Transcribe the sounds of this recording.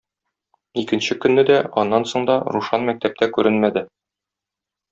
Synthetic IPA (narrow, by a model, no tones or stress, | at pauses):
ikɘ̆nɕɘkɵ̆nːɘd̪æɒnːɑnsoɴd̪ɒɾuʃɑnmæk̚t̪æp̚t̪ækʉɾɘnmæd̪ɘ